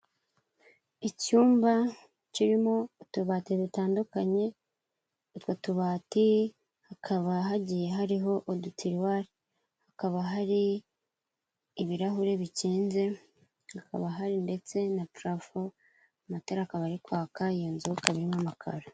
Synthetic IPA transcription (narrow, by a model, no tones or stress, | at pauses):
icuːmba | ciɾimo̞tuβateβitaːndukaɲe̞ | otwotuβaːti | hakʰaβaɦaɟije̞ɦaɾiɦo̞ʔodutiɾwaɾi | hakaβaɦaɾi | βiɾaɦuɾe̞βiciːnze̞ | haka̰βaɦaɾinde̞t͡se̞napɾafo | amataɾakaβaɾikwaːkajoːnzukaβiɾimamakʰa̰ɾa